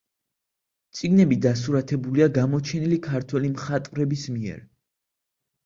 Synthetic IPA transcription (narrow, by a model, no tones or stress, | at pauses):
t̪sʼiɡnɛbid̪asuɾat̪ʰɛbuliaɡamɔt͡ʃʰɛnilikʰaɾt̪ʰwɛlimχat̪ʼvɾɛbismiɛ̰ɾ